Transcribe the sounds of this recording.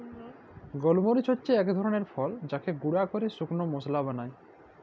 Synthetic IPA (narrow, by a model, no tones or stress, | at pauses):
ɡɔlmoɾit͡ɕʰotːɕeɛkd̪ʱɔɾoneɾfɔld͡ʑakeɡuɽakoɾesuknomoslabanaj